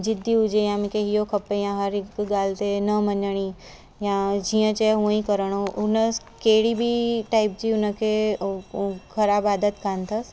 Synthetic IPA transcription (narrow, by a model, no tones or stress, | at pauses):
d͡ʑɪd̪ʱːiʊd͡ʑejãmĩkeɦijokʰɐpejãɦɐɾɪkɡaːlt̪enəməɲəɽ̃i | jãd͡ʑiːə̃t͡ɕɛɦũĩkəɾəɽ̃oʔʊnə | keɦɽibʱiʈaːɪp̚d͡ʑiːʊnəkʰe | kʰɐɾaːbaːd̪ət̪kʰãnt̪ʰəs